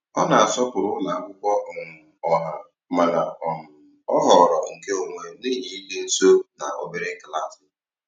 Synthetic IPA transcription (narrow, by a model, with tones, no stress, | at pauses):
ɔ˦na˨a˨sɔ˦pʊ˨ɾʊ˦na˨a˦kʷʊ˦kʷɔ˦ɔ˨ŋ̩ʊ˨ɔ˨ɦa˨ | ma˨na˨ɔ˨mʊ˨ | ɔ˦ɦɔ˨ɾɔ˨ŋ̩˨ke˦o˨ŋʷe˨n̩˦dɪ˦ɦi˦i˦le˦so˦na̰˨ʔo̰˨be˦ɾɪ˦ŋ̩˦kla˦˨sɪ˨